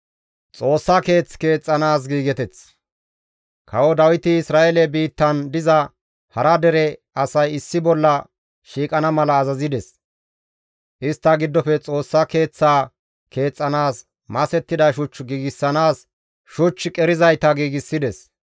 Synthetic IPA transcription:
t͡sʼo̞ːsːake̞ːt͡ske̞ːt͡sʼːɐnaːs̬ɡiːɡɛt̪ɛt͡s | kʰɐwɔd̪ɐwɪt̪ɪɪsɾaːʔelɛbiːt̪ːɐnd̪ɪzɐ | hɐɾɐd̪ɛɾɛ | ɐsɐjɪsːɪbɔlːɐ | ʃiːkʼɐnɐmɐlɐːzɐzɪd̪ɛs | ʔɪst̪ːɐɡɪd̪ːɔfɛt͡sʼo̞ːsːɐke̞ːt͡sːaː | kʰe̞ːt͡sʼːɐnaːs | mɐsɛt̪ːɪd̪ɐʃ̬ʊt͡ʃːɡiːɡɪsːɐnaːs | ʃʊt͡ʃːkʼɛɾɪzɐjt̪ɐɡiːɡɪsːɪd̪ɛs

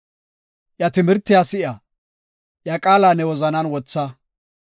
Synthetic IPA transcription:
jɐt̪ɪmɪɾt̪ːɪjaːsɪa | jɐkʼaːlaːnɛwɔzɐnɐnwɔt͡sːɐ

